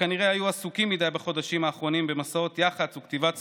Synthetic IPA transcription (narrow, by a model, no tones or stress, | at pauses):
aniʁeajuasukimːid̪ajbaχo̞daʃimaːχʁo̞nimbemasao̞t̪jaχat͡sukt̪ivat͡s